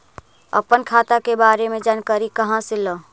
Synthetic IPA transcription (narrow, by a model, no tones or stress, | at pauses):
ə̰pənkʰaːt̪akebaːɾemẽd͡ʒaːnkəɾikəɦãsɪlə